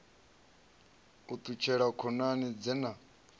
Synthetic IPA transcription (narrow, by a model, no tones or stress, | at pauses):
ut̪ʼut͡ʃʰɛɺakʰɔnanid͡zɛna